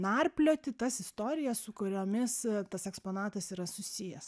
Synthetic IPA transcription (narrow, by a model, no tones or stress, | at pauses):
nɐrʲpʲlʲoːt̪ʲɪt̪ɐsɪst̪oːɾʲɪjɛssʊkʊɾʲoːmʲɪst̪ɐsɛkspoːnɑːt̪ɐsiːɾɐsʊsʲijɛs